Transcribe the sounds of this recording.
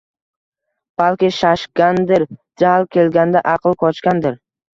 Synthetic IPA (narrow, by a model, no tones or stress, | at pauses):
b̥alˠkʲɪʃaʃkʲand̪ɪɾd͡ʒalˠkʲʰe̞lɡʲand̪aʔɑqʰlˠkʰɒt͡ʃkʲand̪ɪɾ